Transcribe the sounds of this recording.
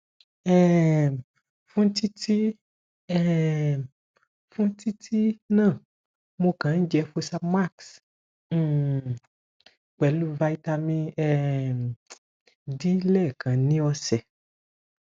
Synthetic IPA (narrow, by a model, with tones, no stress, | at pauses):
ɛ˦ | fũ˦n̩˦ti˦ti˦ | ɛ˦˨ | fũ˦ti˦tʰi˦nãː˦˨ | mo˧kã˨n̩˦d͡ʒɛ˧fo˧sa˧ma˦˨ks̩˦˨ | k͡pɛ˨lu˦va˧i˧ta˧mĩ˧ɛ˦˧˨ | di˦lɛ˦˨kʰã˨nĩ˨˦ɔ˧sɛ˨